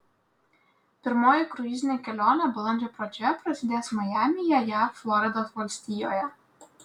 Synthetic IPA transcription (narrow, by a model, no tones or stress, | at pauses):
pʲɪɾmɔjɛkɾʊjizʲnʲɛkʲɛlʲɔnɛbʊlˠɔnd͡ʒʲɛpɾɔd͡ʒʲɛpɾɐsʲid̪ʲɛsʲmɐjamʲijɐjaflˠɔɾɛd̪ɔzʋɔlʲsʲt̪ʲijɔjɛ